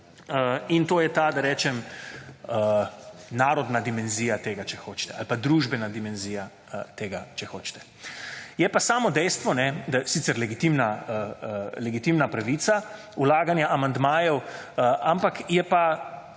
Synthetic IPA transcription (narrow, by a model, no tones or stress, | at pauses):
əint̪oːjɛt̪ad̪aɾɛːt͡ʃɛm | ə | naːɾɔd̪nad̪imɛnzijat̪eːɡat͡ʃɛxoːt͡ʃt̪ɛa̰lpad̪ɾuʒbɛnad̪imɛnziːja | t̪eːɡat͡ʃɛxoːt͡ʃt̪ɛ̥ | jɛpasaːmɔd̪ɛjst̪ʋɔnɛd̪asiːt̪sɛɾlɛɡit̪imnaəlɛɡit̪imnapɾaʋiːt̪sa | ulaːɡanjaʔamand̪maːjɛwəampakjɛpa